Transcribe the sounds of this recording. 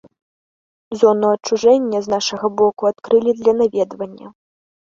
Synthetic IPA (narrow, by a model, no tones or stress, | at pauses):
zɔnuɐt͡ʂːuʐɛnʲːɐznaʂɐɣɐbɔkuat̪kɾɨlʲid̪lʲɐnavʲɛd̪vɐnʲːɐ̰